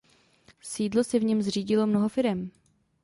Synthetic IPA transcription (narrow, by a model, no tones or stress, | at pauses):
siːdlo̞sɛvɲɛmzr̝iːɟɪlo̞mno̞ɦofɪɾɛm